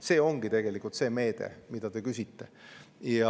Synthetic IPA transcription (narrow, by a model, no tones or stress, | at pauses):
se̞ːo̞ŋɡ̥it̪e̞ɡ̥e̞likˑult̪se̞ːme̞ːd̪̥ḛmid̪̥ɑt̪e̞kysʲit̪ːe̞jɑ